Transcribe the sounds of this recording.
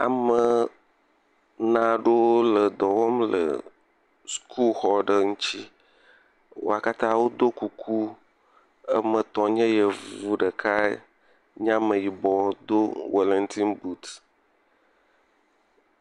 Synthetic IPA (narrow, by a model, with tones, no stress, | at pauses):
a̰˨mə˨ | nã˨ɖo˦wo˦lə˨d̪ɔ˨wɔ˦mlə̰˨ | skʰu˦lxɔ˨ɖə˨ŋũ˦t͡ɕi˦ | wo̰˦a˨ka˦t̪ã˦wo˦d̪o˦ku˨kʰu˦ | ə˦mə̃˨t̪ɔ̃˨ɲɛ̃˦jə˨vu˦ɖə˨kʰa˦ | ɲã˦mə̃˨ji˨bɔ˨˦d̪o˦we˨lɛ˦nt̪ʰi˦nbu˦t̪